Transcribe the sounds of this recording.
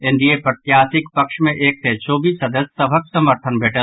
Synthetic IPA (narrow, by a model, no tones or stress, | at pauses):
ɪ̃nd̪iepɾət̪jaːsɪkpəkʃmẽʔeːk̚t̪ʰet͡ʃoːbisəd̪əssəbʱəksəməɾt̪ʰənbʱeːʈəl